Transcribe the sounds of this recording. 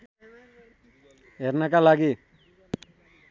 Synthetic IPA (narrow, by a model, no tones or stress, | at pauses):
ɦeɾnakalaɡi